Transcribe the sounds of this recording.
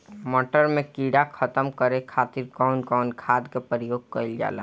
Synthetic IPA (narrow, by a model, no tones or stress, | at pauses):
mɔʈəɾmẽkiɽakʰət̪əmkəɾekʰat̪iɾɡaʊnkaʊnkʰaːd̪kepəɾijoːɡ̚kəɪld͡ʒa̰ːla̰